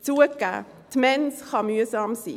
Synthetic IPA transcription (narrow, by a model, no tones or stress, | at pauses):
t͡suəka̰ | t̪ʰmɛnsχɑmyəsɑːmsḭ